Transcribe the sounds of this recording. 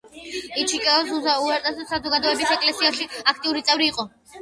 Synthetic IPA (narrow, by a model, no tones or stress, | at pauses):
it͡ʃʰikʼɛɔzuzauɛɾt̪ʼasɔsazɔɡad̪ɔɛbisɛkʼlɛsiaʃiak̚ʰt̪ʼiuɾit̪sʼɛvɾiːqʼɔ